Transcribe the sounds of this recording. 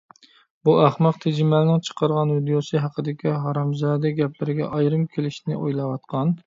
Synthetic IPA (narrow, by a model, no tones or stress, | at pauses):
buæχmɑqt̪ʰed͡ʒɪmælnɪŋt͡ʃʰə̥qʰɑɾʁɑnvid̪ijosɨɦɑqʰəd̪ɪkʲʰiɦɑɾɑmzɑːd̪ɛɡʲɛpʰlɪɾɪɡʲɛ̰ʔɑjɾɨmkʲʰelɪʃnɪʔojlˠɑwɑt̪̚qʰɑn